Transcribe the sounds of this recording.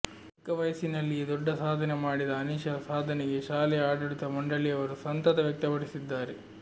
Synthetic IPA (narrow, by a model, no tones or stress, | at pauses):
ɐkːɐʋɐjɐsinɐlːid̪ɔɖːɐsaːd̪ʱɐnemaːɽid̪ɐːniʃɐɐsaːd̪ʱɐneɡe̞ʃaːlɛaːɽɐɭit̪ɐmɐɳɖɐɭiɐʋɐɾusɐnt̪ɐt̪ɐʋjɐk̚t̪ɐpɐɽisid̪ːaːɾe